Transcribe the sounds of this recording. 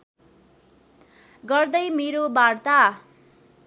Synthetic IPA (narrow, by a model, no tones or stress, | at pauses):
ɡʌrd̪ʌjmeɾobart̪a